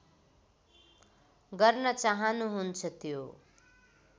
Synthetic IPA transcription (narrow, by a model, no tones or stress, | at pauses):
ɡʌrnʌt͡saɦʌnuɦunt͡sʰʌt̪jo